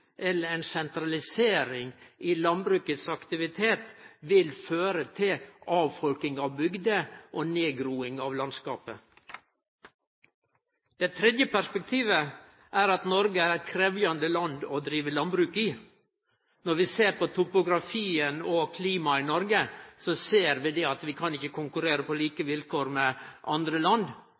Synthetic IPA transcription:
ʔɛlːəɾɛnsɛnt̪ɾɑlɪseːɾɪŋʔɪlɑnbɾʉːkət̪sɑkt̪ɪʋɪt̪ʰeːt̪ʋɪlføːɾət̪ʰɪlɑːʋfɔlk̪ɪŋɑʋbʏɡd̪əʔoːneːɡɾuːɪŋɑːʋlɑnskɑ̰ːpə | d̪̥ɛt̪ʰɾɛd̪jəpæʂpɛk̚t̪ʰiːʋə | ʔæɾɑt̪nɔɾɡəæɾkʰɾɛːʋjɑnd̪əlɑnd̪ɔd̪ɾiːʋəlɑnbɾʉːkɪ | nɔɾʋɪseːɾpɔt̪ʰʊpʊɡɾɑfiːənɔkʰliːmɑɪnɔɾɡəsɔseːɾʋɪd̪ɛɑt̪ʋɪkʰɑnɪçːəkʰʊŋkʉɾeːɾəpɔliːkəʋɪlkoːɾmɛʔɑnd̪ɾəlɑnd̪

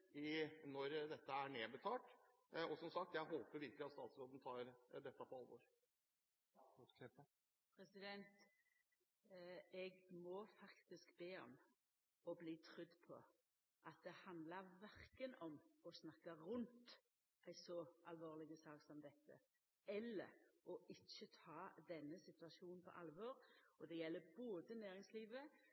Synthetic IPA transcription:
ɪnɔɾd̪ɛt̪ːəæɳeːbət̪ʰɑːʈ | ɔsɔmsɑk̚t̪jæɪhoːpəɾʋɪɾkəlɪɑt̪st̪ɑːt̪sɾoːd̪n̩t̪ʰɑːɾd̪ɛt̪ːɑpʰɔɑlʋɔ̰ɾ | pʰɾɛsɪd̪ɛnt̪ | ɛɡmɔfɑkt̪ɪskbeːɔ̰m | ɔbliːt̪ʰɾʏd̪ːpʰɔ̰ | ʔɑt̪̚d̪ɛhɑnd̪ləɾʋæɾkənɔmɔsnɑkːɑɾʉnt̪ | ʔæɪsɔʔɑlʋoːʁlɪɡəsɑːksɔmd̪ɛt̪ʰːə̰ | ɛlːə̰ɾɔʔɪçːət̪ʰɑːd̪ɛnːəsɪt̪ʉɑʃuːnn̩pʰɔ̰ʔɑlʋɔːɾɔd̪ɛjɛlːəboːd̪ənæːɾɪŋsliːʋə

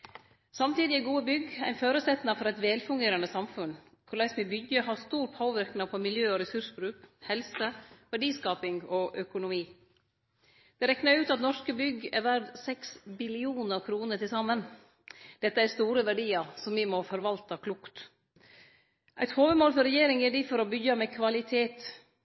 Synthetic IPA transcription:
sɑmt̪iːd̪ɪæɡuːəbʏɡæ̰ɪnføːɾəsɛt̪nɑfɔɾæɪt̪ʋeːlfʉŋɡeːɾənəsɑmfʉn | kʰʊɾlæɪsmɪbʏɡəɦɑɾst̪uːɾpʰoːʋɪɾknɑpʰɔmɪljøːɔɾɛsʉʂbɾʉːkhɛlsəʋæɖiːskɑːpɪŋɔʔœkʊnʊmiː | d̪̥ɛɾɛknɑɾʉːt̪ɑt̪nɔʂkəbʏɡɛ̰ɾʋæɾd̪sɛksbɪlɪuːnəɾkʰɾuːnəʈɪlsɑmːən | d̪̥ɛt̪ːəæɾst̪uːɾəʋæɖiːɑɾsɔmʋɪmɔfɔɾʋɑlt̪əkʰlʊkt̪ | ʔæɪt̪hoːʋəmoːlfɔɾɛjeːɾɪŋɛɖɪfɔɾɔbʏɡɑmɛkʰʋɑlɪt̪ʰeːt̪

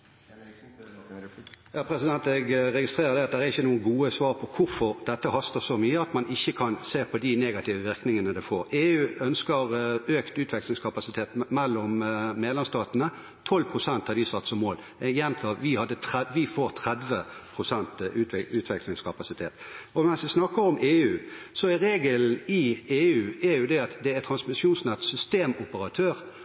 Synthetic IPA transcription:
jɑːpʰɾɛsɪd̪ɛnt̪ɛɡʁɛɡɪst̪ʁeːʁəɾd̪ɛɑt̪̚d̪æɾæʁɪçːənuːəɡuːəsʋɑːʁpʰɔkʰʊʁfɔʁd̪ɛt̪ːəhɑst̪əʁsɔmyːəɑt̪mɑnʔɪçːəkʰɑnseːpʰɔd̪ɪneːɡɑt̪ʰɪːʋəʋɪʁknɪŋənəd̪ɛfoːʁeːʉːœnskəʁøːkt̪ʉːt̪ʋɛkslɪŋskʰɑpɑsɪt̪ʰeːt̪mɛlːɔmːeːd̪lɛmst̪ɑːt̪nə | t̪ʰɔlpʰʁʊsɛnt̪hɑd̪ɪsɑt̪ːsɔmːoːl | jɛnt̪ʰɑːʋɪhɑd̪ːət̪ʰʋɪfoːʁt̪ʰʁɛd̪ʋəpʰʁʊsɛnt̪ʉːʉːt̪ʰʋɛklɪŋskʰɑpɑsɪt̪ʰeːt̪ɔmɛnsʋɪsnɑkːəɾɔmʔeːʉː | sɔæʁeːɡəln̩ɪeːʉːæʉʊd̪ɛɑt̪d̪ɛæɾt̪ʰɾɑnsmɪsjuːnsnɛt̪sʏst̪eːmʊpəɾɑt̪ʰøːʁ

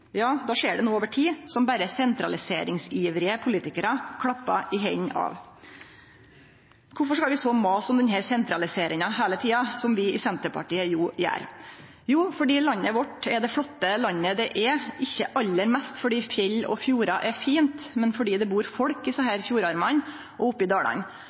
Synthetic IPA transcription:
jɑːd̪ɑːʂeːɖɛnuːoːʋəʈʰiːsɔmbæɾəsɛnt̪ɾɑlɪseːɾɪŋsiːʋɾɪəpʰʊliːt̪ɪkəɾɑkʰɽɑpːɑ̰ʔɪɦɛɲːɑ̰ːʋ | kʰʊɾfɔʂkɑlʋɪsoːmɑːsɔmd̪ɛnɦæːɾsɛnt̪ɾɑlɪseːɾɪŋɑɦæːlət̪ʰiːɑsɔmʋɪɪsɛnt̪əpɑ̰ʈiːəjuːjæ̰ːɾ | juːfɔɖiːlɑnːəʋɔʈːɛd̪ɛfɽɔt̪ːəlɑnːəd̪ɛʔɛʔɪçːəʔɑlːəɾmɛst̪fɔɖiːfjɛlːɔ̰fjuːɾɑʔɛfiːnt̪mɛnfɔɖiːd̪ɛbuːɾfɔɽkɪsɑhæːɾfjuːɾɑɾmɑn | ʔɔʊpːɪd̪ɑːɽɑ̰n

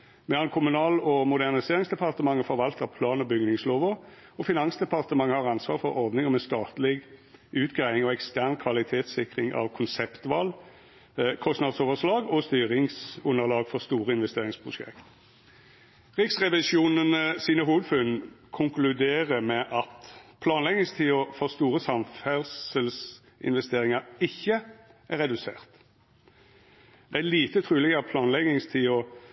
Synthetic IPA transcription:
mɛlɑnkʰʊmʉnɑːlɔmʊd̪æʁnɪseːʁɪŋsd̪ɛpʰɑʁt̪əmɑŋːəfɔɾʋɑlt̪əʁpʰlɑːnɔbʏɡnɪŋsloːʋəʁ | ɔfɪnɑnsd̪ɛpɑʁt̪əmɑŋːəhɑːʁɑnsʋɑːʁfɔʁɔʁd̪nɪŋəmɛst̪ɑːt̪lɪɡʉːt̪ɡʁæɪɪŋɔɛkst̪æʁnkʰʋɑlɪt̪ʰeːt̪sɪkʁɪŋɑ̰ʋkʰʊnsɛpt̪ʋɑːl | kʰɔsnɑd̪soːʋəʁʂlɑːɡɔst̪yːʁɪŋsʉnːəʁlɑːɡfɔʁst̪uːʁəɪnʋɛst̪eːʁɪŋspʰʁʊʂɛ̰kt̪ | ʁɪksʁɛʋɪʃuːnənəsiːnəɦuːʋəd̪fʉn | kʰʊŋklʉd̪eːʁəmɛʔɑt̪pʰlɑːnlɛɡnɪŋst̪ʰiːɔfɔʁst̪uːʁəsɑmfæʁsəls | ʔɪ̰nʋɛst̪eːʁɪŋɑɾɪçːəʔæʁɛd̪ʉsḛːʁt̪ | d̪̥ɛæliːt̪ət̪ʰʁʉːlɛɡɑt̪̚pʰlɑːnlɛɡnɪŋst̪ʰiːɔ

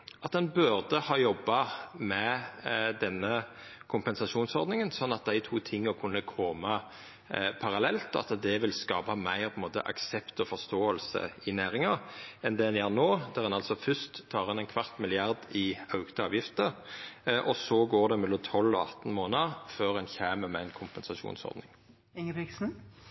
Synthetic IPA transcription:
ʔɑt̪ɛnbʉʁd̪əhɑːjɔbːɑmɛ | d̪ɛnːə | kʰʊmpɛnsɑʃuːnsɔɾd̪nɪŋənsɔnːɑt̪̚d̪æɪt̪ʰuːt̪ʰɪŋːɔkʰʉnːəkʰɔmɑ | pʰɑʁɑlɛlt̪ɔɑ̰t̪d̪ɛʋɪlskɑ̰ːbɑmæɪʁpʰɔɪmoːt̪ə̰ʔɑ̰ksɛpt̪ɔfɔʁst̪oːəlsə̰ɪnæːɾɪŋɑɛnd̪ɛɛnjæːʁnoːd̪æʁɛnɑlsɔfʏst̪t̪ʰːɑːʁɑnæɪnkʰʋɑʁt̪mɪlɪɑʁd̪ɪɑʉɡt̪əɑːʋjɪft̪əʁʔɔsɔɡoːd̪ɛmɛlːɔmt̪ʰɔlːɔɑ̰t̪ːn̩moːnəʁføːʁɛnçæːməmɛɪnkʰʊmpɛnsɑʂṵːnsɔ̰ɾd̪nɪŋ | ɪŋəbɪksn̩

